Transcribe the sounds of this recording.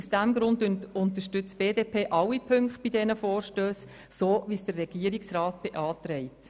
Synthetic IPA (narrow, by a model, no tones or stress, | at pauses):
usd̥æmɡɾʊndnʊnt̪əʃtʏt͡sb̥eːdeːpʰeːʔɑwipʰʏŋkχt̚b̥idɛnəfɔːrʃtøːs | soːʋisd̥ərːɛɡ̥iəɾiksrɑːt̚b̥eʔɑːt̪ɾɛɪt